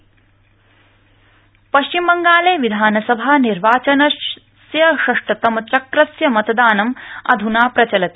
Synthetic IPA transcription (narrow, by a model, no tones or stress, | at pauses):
pɐʃt͡ʃimbɐŋɡaːleːʋid̪ʱaːnɐsɐbʱaːniɾʋaːt͡ʃɐnɐ | sjɐʃɐʂʈɐt̪ɐmɐt͡ʃɐkɾɐsjɐmɐt̪ɐd̪aːnɐmɐ̰d̪ʱunaːpɾɐt͡ʃɐlɐt̪e